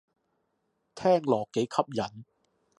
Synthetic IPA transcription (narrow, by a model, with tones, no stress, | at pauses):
t̪ʰɛː˥˩ŋlɔː˨˩kːe˨˥jkʰɐ˦˥p̚jɐ˨˥n